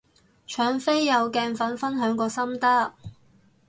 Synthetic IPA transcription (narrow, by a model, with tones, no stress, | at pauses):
t͡ʃʰœː˨˧ŋfe˥jːɐ˨˧wkɛː˧nfɐ˨˥nfɐ˥nɦœː˨˥ŋkɔː˧sɐ˥mt̪ɐ˥